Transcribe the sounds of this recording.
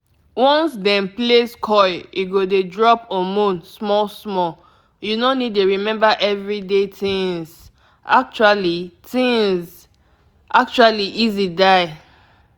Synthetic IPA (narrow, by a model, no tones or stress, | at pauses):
wɔ̃nsdɛ̃npleskʰɔɪiɡodedɹɔpɔ̃mũnsmɔlsmɔl | junonid̚tuɹimɛ̃mbaʔɛvɹidetĩŋz | ak̚t͡ʃualitĩŋz | ʔak̚t͡ʃualiʔizidaɪ